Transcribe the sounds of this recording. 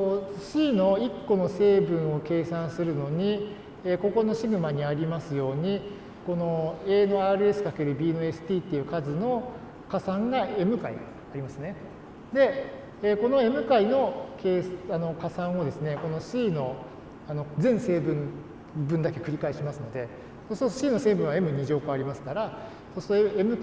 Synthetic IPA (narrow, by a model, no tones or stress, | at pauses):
oɕiːno̞ikːo̞no̞se̞ːbɯ̟̃ɰ̃o̞ke̞ːsãɰ̃sɨɾɯ̟no̞ɲ̟i | eko̞ko̞no̞ɕiɡɯ̟maɲ̟iaɾʲimasɨjo̞ːɲ̟i | ko̞no̞eːnoaːɾɯ̟e̞sɨ̥kake̞ɾɯ̟bʲiːnɯ̟e̞sɨ̥t̪ʲiːt̪ːe̞jɯ̟kazɨno̞ | kasãŋɡae̞mɯ̟kaḭ | aɾʲimasɨne̞ | d̪e̞ | eːko̞no̞e̞mɯ̟kaino̞ke̞ːsano̞kasãɰ̃o̞d̪e̞sɨne̞ko̞no̞ɕiːno̞ | ano̞zẽ̞ɰ̃se̞ːbɯ̟̃n | bɯ̃nd̪ake̞̥kɯ̟ɾʲikaiɕimasɨno̞d̪e̞ | sost̪oɕiːno̞se̞ːbɯ̟̃ɰ̃βae̞mɯ̟ɲ̟iʑo̞ːkoaɾʲimasɨ̥kaɾa | sosɨ̥t̪oemɯ̟